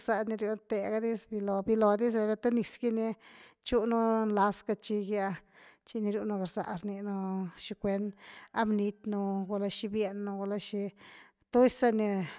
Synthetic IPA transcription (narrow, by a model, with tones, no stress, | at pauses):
sa˧ni˧ɾju˧˦nt̪e˧ɡa˧˦d̪i˦sbi˧lo˧bi˧lo˨d̪i˦s̬e˧bja˧t̪a˦ni˧sɡi˦ni˧t͡ʃu˦nu˦nla˧ska˧t͡ʃi˧ɡja˧t͡ʃi˧ni˧ɾju˧no˧ɡa˧˨ɾza̰˧ʔɾni˧no˧ʃi˧kʷe˧˦na˦mni˧t̪nu˧ɡo˧la˧ʃi˧bje˧nːo˧ɡo˧la˧ʃi˧ | t̪u˦jsa˧ni˧